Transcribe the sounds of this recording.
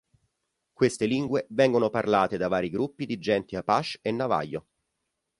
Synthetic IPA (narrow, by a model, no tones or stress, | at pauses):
kwest̪eliŋɡwevɛŋɡonoparlaːt̪ed̪avaːɾiɡɾupːid̪id͡ʒɛnt̪iapːaʃenːava̰jːo